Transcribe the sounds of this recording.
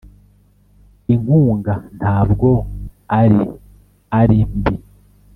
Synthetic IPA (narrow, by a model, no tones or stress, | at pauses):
iŋuːŋɡan̥haːbɡo̞aɾi | aɾimbi